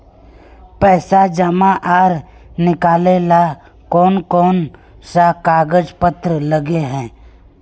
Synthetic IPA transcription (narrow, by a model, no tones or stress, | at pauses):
pɛːsad͡ʒəmãʔaːɾ | nɪkaːlela | kɔːnkɔːn | sakaːɡəd͡ʒpət̪ɾələɡeɦɛ̃ː